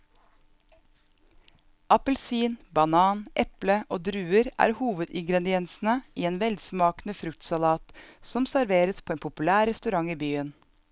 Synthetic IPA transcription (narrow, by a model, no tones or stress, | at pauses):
ʔɑpəl̩siːnbɑnɑːnʔɛpləʔoːd̪ɾʉːəɾʔæ̰ːɾhuːʋəd̪ɪŋɡɾɛd̪ɪɛnsn̩əʔiːeːnʋɛlsmɑːknəfɾʉk̚t̪sɑlɑːt̪sɔmsæɾʋeːɾəspʰoːeːnpʰʊpʉlæːɾɛst̪ʉɾɑŋiːbyːən